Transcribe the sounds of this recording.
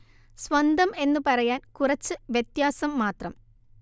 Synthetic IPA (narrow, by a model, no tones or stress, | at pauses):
sʋɐnd̪ʱɐme̞nːɨpɐrɐjaːnkurɐt͡ɕːɨʋjet̪jaːsɐmːaːt̪rɐm